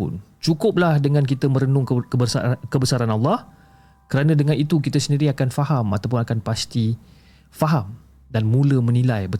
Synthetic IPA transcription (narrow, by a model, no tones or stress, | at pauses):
ʊ̰n | t͡ʃukʊp̚lahdəŋãnk̬it̪əmə̃ɾənʊŋkəbəkəbəsaɾanɑlːɑh | kəɾanãdəŋãnit̪uk̬it̪əsəndiɾiakanfahamat̪awp̬ʊnakanpast̪i | faɦam | danmũləmə̃nĩlajbə